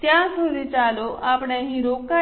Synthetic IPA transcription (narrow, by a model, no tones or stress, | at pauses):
t̪jasoɾʱit͡saloʔapɳjaɦĩɾoka